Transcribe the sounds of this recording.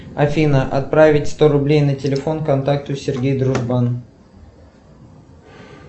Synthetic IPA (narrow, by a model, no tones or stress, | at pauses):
ɐfʲinəʔɐ̰t̪̚pɾavʲɪtʲst̪o̞ɾʊblʲejnətʲɪlʲɪfo̞nkɐnt̪ak̚t̪ʊsʲɪrɡʲejd̪ɾʊʐban